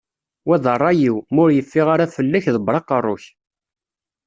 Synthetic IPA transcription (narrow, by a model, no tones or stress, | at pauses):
wæðˤərˤːɑjiwmʊɾjəfːɪʁaɾafəlːæçðəbɾˤɑqərˤːʊ̰ç